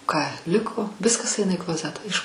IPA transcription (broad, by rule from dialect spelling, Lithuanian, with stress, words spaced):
kɑː ˈlʲɪkoː ˈʋʲɪskɐs ˈɐɪnɐ iː klˠoːˈzʲæːtɑː ɪʃ